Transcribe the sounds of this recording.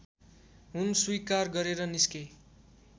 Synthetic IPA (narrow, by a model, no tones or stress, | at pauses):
ɦunswikarɡʌɾeɾʌniske